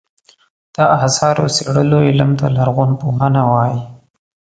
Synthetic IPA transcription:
d̪̥aasɑɾo̰seɽəloɪləmt̪a̰laɾɣʊnpoɦanawɑji

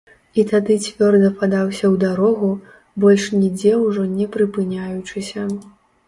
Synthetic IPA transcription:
it̪ad̪ɨt͡sʲvʲɔrd̪ɐpad̪awsʲɐwd̪aɾɔɣu | bɔlʲʂnʲid͡zʲɛwʐɔnʲɛpɾɨpɨnʲajut͡ʂɨsʲɐ

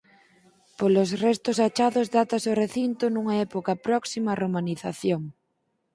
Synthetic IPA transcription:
polosrɛst̪osat͡ʃaðozðat̪asoreθint̪onũŋaɛpokapɾɔksimaromaniθaθjoŋ

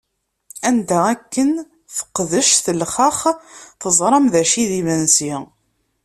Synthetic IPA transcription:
ænd̪æækːən | θə̥qːðəʃθəlχəχθəzˤɾˤɑmðæʃiðimænsi

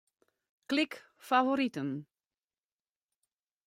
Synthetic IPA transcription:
klɪk | favoɾitən

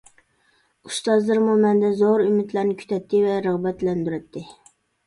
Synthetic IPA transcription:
ust̪ɑzlˠɨɾmumɛnd̪ɛzoɾymɪt̪ʰlæɾnɪkʲʰy̥t̪ʰɛt̪ʰːɪvɛɾəʁbɛt̪lɛnd̪yɾɛt̪ʰːɪ

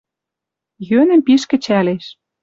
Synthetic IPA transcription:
jønə̆mpiʃkɘ̆t͡ɕæleʃ

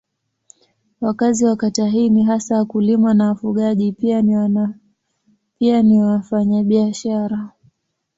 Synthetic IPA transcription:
wakaziwakataɦiniɦasawakulimanawafuɠaʄipia | pianiafaɲaɓiaʃaɾa

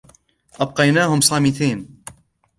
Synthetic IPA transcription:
ʔab̚qɑjnaːɦʊmsˤɑːmɪt̪iːn

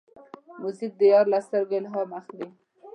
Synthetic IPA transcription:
mʊzik̚d̪əjɑɾlast̪əɾɡelɦɑmaxd̪i

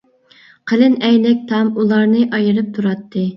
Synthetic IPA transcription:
qʰəlɨnɛjlɪk̚ʲt̪ʰɑmulˠɑɾnɨʔɑjɨɾɨp̚t̪ʰuɾɑt̪ʰːɨ

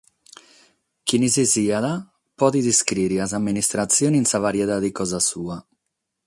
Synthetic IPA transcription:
kinisisiaða | pɔd̪id̪iskɾiɾiazamːinist̪ɾat̪sjoninsavaɾjɛt̪ad̪ikɔzasuːa

